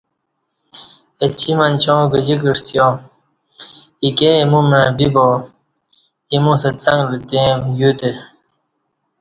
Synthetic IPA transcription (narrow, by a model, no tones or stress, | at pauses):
et͡ɕʰimɐnt͡ɕõːɡəd͡ʑikəʂt̪ijõ | ikemũmebibo | imũsɐt͡sɐŋɡlit̪ẽmjut̪e